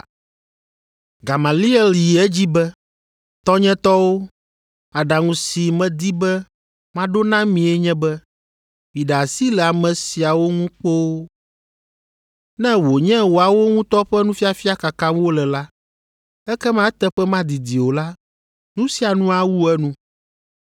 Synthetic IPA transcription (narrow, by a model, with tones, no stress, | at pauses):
ɡa˨ma˨li˦ɛ˦lji˨ɛ˦d͡ʑi˦bɛ˦ | t̪ɔ˦ɲɛ̃˦t̪ɔ˦wo˦ | a˨ɖa˨ŋũ˨si˨mɛ̃˨d̪i˦bɛ˦ | mã˦ɖo˦nã˦mĩ˨ɛ˦ɲɛ̃˦bɛ˦ | mĩ˨ɖa˨a˨si˦lɛ˨a˨mɛ̃˨si˨a˨wo˦ŋũ˦k͡po˦ | nɛ̃˦wo˨ɲɛ̃˦wo˨a˨wo˦ŋũ˦t̪ɔ˦ɸɛ˦nũ˦fi˦a˨fi˦a˦ka˨kã˦o˦lɛ˨la˦ | ɛ˦kɛ˦mã˦ɛ˦t̪ɛ˦ɸɛ˦mã˦d̪i˨d̪i˨wo˨la˦ | nũ˦si˦a˨nũ˦a˦wu˦ɛ˦nũ˦